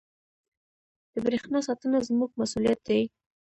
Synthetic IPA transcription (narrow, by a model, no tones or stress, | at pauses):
d̪̥əbɾexnɑsɑt̪ənazmuɡ̚masulijat̪̚d̪aj